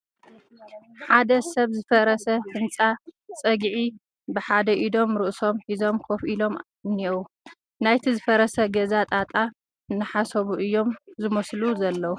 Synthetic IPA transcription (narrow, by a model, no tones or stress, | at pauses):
ħad̪ɐsɐβzɨfɐɾɐsɐhɨnt͡sʼat͡sʼɐɡʕi | bɨħad̪ɐʔid̪o̞mɾɨʔso̞mħizo̞mkʰofʔilo̞m | nːiwu | najt̪ʰizɨfɐɾɐsɐɡɐzat̪ʼat̪ʼa | nːɨħasɐβuʔɨjːo̞mzɨmɐsluzɐlːɐwu